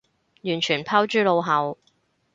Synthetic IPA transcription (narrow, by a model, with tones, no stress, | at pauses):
jyː˨˩nt͡ʃʰyː˨˩npʰaː˥wt͡ʃyː˥lo˨˧wɦɐ˨˧w